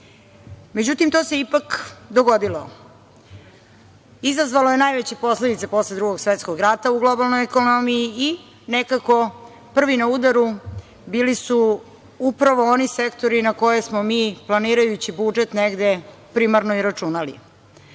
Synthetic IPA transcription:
me̞d͡ʑut̪imt̪ose̞ipakd̪oɡo̞d̪ilo | izazʋalo̞je̞najʋet͡ɕepo̞sled̪it̪sepo̞sled̪ɾuɡo̞ɡsʋet̪skoɡɾat̪auɡlˠo̞balˠnojekonomijii | nekako̞ | pr̩ʋinaud̪aɾu | biːlisu | upɾaʋoonisekt̪o̞ɾinako̞je̞smomiːplˠaniːɾajut͡ɕibud͡ʒet̪neɡd̪e | pɾimaɾnoiɾat͡ʂunalḭ

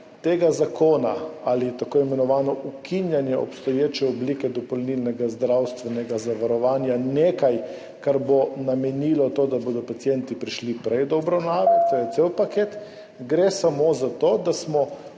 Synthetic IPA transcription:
t̪eɡazakoːna̰alit̪akoːimɛnɔʋaːnɔʔukʰinjanjɛɔ̰pst̪ɔjeːt͡ʃɛɔblikɛd̪ɔpɔlnilnɛɡazd̪ɾawst̪ʋɛnɛɡazaʋaɾɔʋaːnjaneːkaj | kaɾbonamɛnilɔt̪od̪aboːd̪ɔpat̪sjɛnt̪ipɾiʃlipɾɛjd̪ɔɔbɾawnaːʋɛt̪ojɛt̪sewpakeːt̪ | ɡɾesamozat̪oːd̪asmɔ

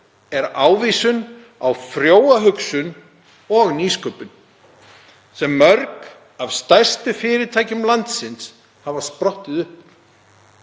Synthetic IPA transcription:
ɛɾaːwviːsʏn | awfɾjoːwaɦʏksʏn | ɔɣniːskœɥpʏn | sɛmːœɾk | av̥st̪ajr̥st̪ʏfɪːɾɪt̪ʰaːjcʏmlant̪sɪns | havaspɾɔht̪ɪðʏhp

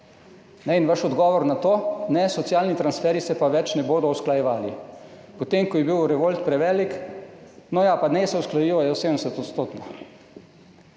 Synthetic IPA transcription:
nɛinʋaʃɔd̪ɡɔːʋɔɾnat̪oːnɛsɔt̪sijaːlnit̪ɾansfɛɾisɛpaʋɛt͡ʃnɛboːd̪ɔusklajɛʋaːli | pɔt̪emkɔjɛbiwɾɛʋolt̪pɾɛʋɛːlik | nɔjapanɛsɛusklajiʋajɔsed̪nɛsɛt̪ɔt̪st̪oːt̪no

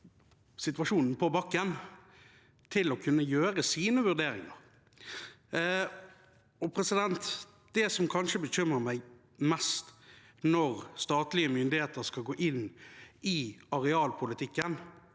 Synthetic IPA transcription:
sɪt̪ʋɑʂuːnn̩pʰɔbɑkːən | t̪ʰɪlɔkʰʉnːəjøːɾəsiːnəʋʉʁd̪eːɾɪ̰ŋɑ̰ɾ | ɔpʰɾɛsɪd̪ɛnt̪ | d̪̥ɛsɔmkʰɑnʂəbəɕʏməmæɪ | mɛst̪ | nɔʁst̪ɑːt̪lɪəmʏnd̪ɪheːt̪əɾskɑlɡoːʔɪnːɪɑɾɛɑːlpʰʊlɪt̪ʰɪkːən

